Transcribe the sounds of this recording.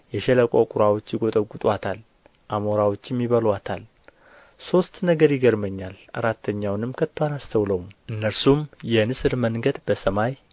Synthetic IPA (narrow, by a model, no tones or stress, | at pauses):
jɛʃɛləkʼokʼuɾawot͡ʃːjɪɡʼo̞t̪ʼəɡut̪ʼwat̪ʰal | ʔamoɾawo̞t͡ʃːɛmːiβəlwat̪ʰal | so̞st̪nəɡəɾjɪɡəɾməɲːalʔa̰ɾat̪ʰːəɲːawnɨmkʰət̪ːwanast̪ʰəwləwumʔɨnːəɾsumjɛnɨsɨɾməŋɡəd̪bəsəmaj